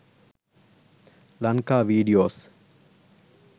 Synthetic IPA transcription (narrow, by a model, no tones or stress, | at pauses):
lɐŋkaːʋiːɖijoːs